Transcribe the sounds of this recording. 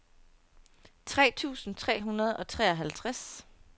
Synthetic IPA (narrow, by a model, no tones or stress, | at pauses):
t͡sʰʁɛ̰ːt͡sʰṵːsn̩t͡sʰʁɛ̰ːɦunɐð̞̩ˠɒ̽t͡sʰʁɛ̰ːɒɦælt͡sʰʁas